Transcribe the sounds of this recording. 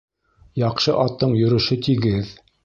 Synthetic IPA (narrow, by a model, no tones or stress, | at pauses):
jɑqʃɤʔɑt̪ːɤɴjɵ̆ɾɵ̆ʃɵt̪iɡɘð